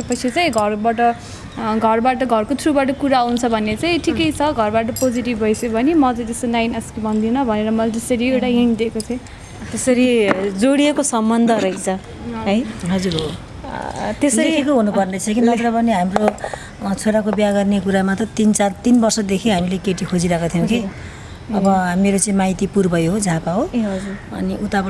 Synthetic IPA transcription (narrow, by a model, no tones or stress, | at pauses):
pʌt͡sʰit͡saj̃ɡʱʌrbaʈʌ | ɡʱʌrbaʈʌɡʱʌrkot̪ʰrubaʈ̬ʌkuɾaant͡sʰʌbʱʌnet͡saj̃ʈʰikʌjt͡sʰʌɡʱʌrbaʈ̬ʌpod͡ziʈibʱʌjsebʱʌnemʌt͡sãj̃t̪est̪onajnʌskibʱʌnd̪inʌbʱʌneɾʌmʌlad͡z̪ʌsʌɾiewʈaɦiɳ̃d̪ekot͡sʰʌ̃ | t̪esʌɾid͡zoɽiekosʌmbʌnd̪ʱʌɾʌɦit͡sʰʌ | ɦʌjɦʌd͡zuɾɦo | t̪esdʌikʰekoɦunupʌrnʌt͡sʰʌkinʌtɾʌbʌneɦamro | t͡sʰoɾakobaɡʌrnekuɾamat̪ʌt̪int͡sart̪inbʌrsʌd̪ekʰeɦamilekeʈikʰod͡ziɾakat̪ʰijʌ̃w̃ke | ʌbʌɦameɾot͡sʌĩmajt̪ipurbʌjɦod͡zʱapaɦod͡zuʌ̰niʔut̪ap